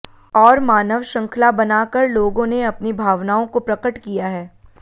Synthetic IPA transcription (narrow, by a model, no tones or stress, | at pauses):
ɔːɾmaːnəʋʃɐ̃ŋkʰlabɐnaːkəɾloːɡõneɐpnibʱaːʋnaːõkopɾɐkəʈkijaɦɛː